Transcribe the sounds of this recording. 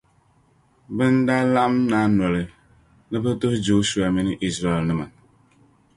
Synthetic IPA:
bɨ˦n˦da˦la˦ʔmna˨˦n˨ɔ˨lɨ˨ | nɨ˦bɨ˦tu˦d͡ʒo˨˦su˨a˨mi˦nɨ˦ʔi˦sɾa˦˨ɛ˨lnɨ˨ma˨n

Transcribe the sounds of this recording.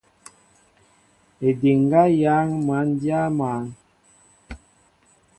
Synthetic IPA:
e˨de˨ŋ˦ɡa˦ja˨˦ŋma˨˦n˦dja˦maː˨˦ŋ

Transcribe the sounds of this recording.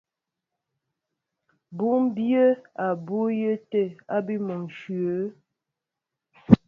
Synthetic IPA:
bu˦ŋm˦bjə˦a˨bu˦jə˦te˦˨a˦bi˦mə˨ŋ˨ʃɥə˨˦

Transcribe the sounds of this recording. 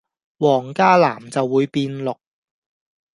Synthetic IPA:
wɔː˨˩ŋkaː˥la̰ː˨˩mt͡sɐ˨wːuː˨˧jpiː˧nlʊ˨k̚

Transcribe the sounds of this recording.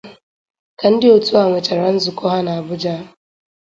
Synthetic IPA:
kɐ˦n˦dɪ˦o˨tʊ˦wa˨ŋʷɪ˨t͡ʃɛ˨ɾɐ˦n˦zʊ˨kɔ˦ha˦na˨bʊ˦d͡ʒa˦˨

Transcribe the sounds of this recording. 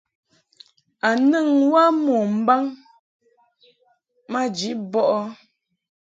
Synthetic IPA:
a˨nə˦˨ŋwa˦mɔ˨m̩˦ba˦ŋ | ma˦d͡ʒi˨˦ʔbɔ˦ʔɔ˦

